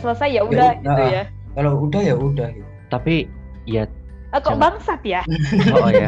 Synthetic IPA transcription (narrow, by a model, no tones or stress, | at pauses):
səlasajjaudahɡiəuja | kalowudahjaudahja | t̪api | ja | əkɔbaŋsat̪̚ja | ja